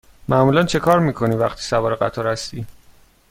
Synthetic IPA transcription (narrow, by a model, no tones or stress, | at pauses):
mæmuːlænt͡ʃʰe̞kʰɒːɾmiːkʰo̞niːvæχt̪ʰiːsævɒːɾeɢæ̰t̪ʰɒːɾhæst̪iː